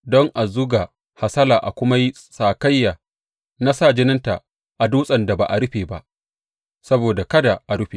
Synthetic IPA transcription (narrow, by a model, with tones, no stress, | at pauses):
dɔ˦ŋʔa˨zʊ˦ɡa˨ | ha˨sɐ˦laː˨ʔa̰˨kʷʊ˦ma˦ji˦ | saː˨ka˦jːaː˨ | na˦sa˦˨d͡ʒɪ˦nɪ˦nta˨ | ʔa˨duː˦sʼɐ˨nda˨ba˨ʔa˨ɽʊ˦ɸeː˨ba˦ʔ | sɐ˦boː˨da˨kɐ˦da˨ʔa˨ɽʊ˦ɸe˨